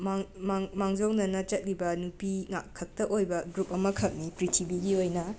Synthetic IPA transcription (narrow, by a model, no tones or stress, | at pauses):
mmmaŋd͡ʒownɐnɐt͡ʃɐt̚libɐnupiŋa̰kʰɐk̚tɐʔojbɐɡɾup̚ɐmɐkʰɐk̚nipɾitʰibiɡiojnɐ